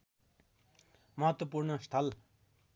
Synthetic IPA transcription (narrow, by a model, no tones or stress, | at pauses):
mʌɦʌt̪wʌpuɾnʌst̪ʰʌl